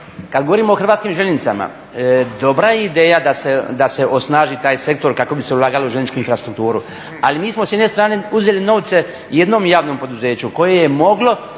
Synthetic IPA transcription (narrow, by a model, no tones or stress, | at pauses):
kad̪ɡooɾiːmoːxr̩ʋaːt̪skiːmʒeʎenit̪sa̰ma̰ | d̪o̞bɾajeid̪eːjad̪ased̪ase̞ʔo̞snaːʒit̪aːjse̞k̚t̪o̞ɾkako̞bise̞ulˠaːɡalouʒenit͡ʃkuinfɾast̪ɾukt̪uːɾu | alimiːsmosjed̪ne̞st̪ɾaːneuzelino̞ʋt̪se̞ | je̞d̪no̞mjaːʋno̞mpo̞d̪uze̞ːt͡ɕuko̞je̞jemo̞ɡlo̞